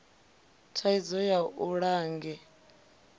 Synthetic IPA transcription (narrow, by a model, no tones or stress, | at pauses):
tʰaizɔjauɺaːŋɡɛ